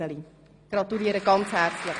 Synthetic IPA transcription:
əli | ɡ̥ɾɑt̪uliəɾəɡɑnshært͡sləχ

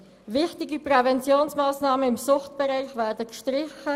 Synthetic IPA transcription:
ʋɪχtɪɡiprɛvɛnt͡sjoːnsmaːsnɑːməɪmsʊχtb̥ɛɾɛɪχvæːɾdəkʃtɾɪχə

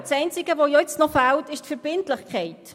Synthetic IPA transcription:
sɛɪnt͡sɪɡ̥əʋojɔɪt͡snɔfæltɪʃtfəɾb̥ɪntləχkʰχɛɪt

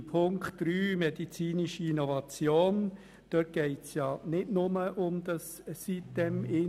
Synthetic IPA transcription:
pʰʊŋkχtɾyːmɛdit͡siːniʃiinɔvɑt͡sjoːn | d̪̥œt̚ɡ̥ɛɪtsjɑnɪdnʊməʔʊmd̪ɑs | sitd̥ɛmɪ

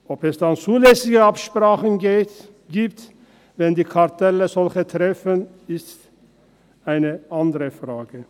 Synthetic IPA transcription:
ʔɔpɛsd̥ant͡suːlɛsɪɡəapʃpʁaːχənɡeː | ɡiːp̚t | vɛndiːkʰaʁtʰɛləzɔlçətʁɛfən | ɪst | ʔaɪnəʔandəʁəfʁ̥aːɡə

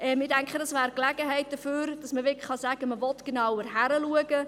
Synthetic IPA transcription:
ʔɛmɪdæŋkχədɑsʋæːɾklæɡ̥əɦɛɪt̚d̥əføːɾd̥ɑsməʋɪklə̥χɑsæɡ̥əməʋɔtɡ̥enɑwəɾɦæɾəluəɡ̥ə

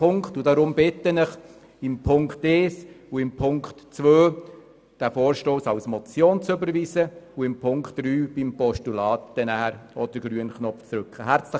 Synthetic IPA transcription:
ʊŋktʊdɑɾʊmbɪt̪ːənəχ | ɪmpʰʊŋktɛːsuɪmpʰʊŋkχtt͡sʋøː | d̥æfoːɾʃtoːsɑwsmɔt͡sjoːnt͡sʏbəɾʋiːsəuɪmpʰʊŋkχt̚ːɾyːb̥ɪmpɔʃtulɑːtdənæɦɾɔd̥əɾɡ̥ɾyənχnɔpft͡sɾʉkχəɦæɾt͡slə

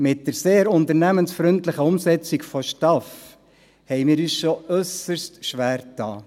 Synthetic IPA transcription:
mɪt̚dəɾseːɾʊntəɾnæmənsfɾʏntlɪχəʊmsɛt͡sikfɔʃtɑf | hɛɪmɪːɾyːsʃoœsəɾstʃʋæːɾtɑː

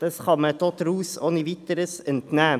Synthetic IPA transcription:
d̥̪ɑsχɑmət̪ot̪ɾuːsoːniʋɪt̪əɾəsɛnt̪næː

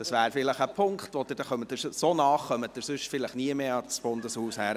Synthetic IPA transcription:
d̥ɑsʋæːɾfɪləχəpʰʊŋkχtʋɔd̥̪ɪɾd̥ɛχœmətːɪɾsoːnɑːχːœmət̚ːɪɾsʏʃfɪləχniəmeɑt͡sb̥ʊndəshuːshæːɾ

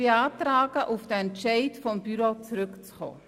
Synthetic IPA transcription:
eaːtɾaːɡ̥əʔufd̥əɛntʃɛɪtfɔmb̥yɾot͡sɾʏkt͡sχo̰ː

